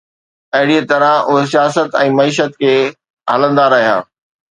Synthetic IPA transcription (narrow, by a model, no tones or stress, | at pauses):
ɐɦɪɽiet̪ɐɾə̃ʔʊɦes̬ijaːsət̪ɛ̃ːmɐiːʃət̪kʰeː | ɦɐlə̃nd̪aɾɐɦija̰ː